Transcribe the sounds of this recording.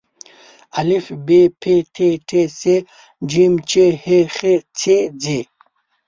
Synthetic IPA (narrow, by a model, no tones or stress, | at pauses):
ɐlifbepʰeʈʰeʈʰese | d͡ʑimt͡ɕeheχet͡sʰed͡ze